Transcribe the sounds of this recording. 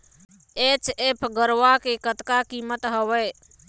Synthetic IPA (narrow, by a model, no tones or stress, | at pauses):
et͡ʃepʰɡəɾʋakekət̪kakimət̪ɦəwɛ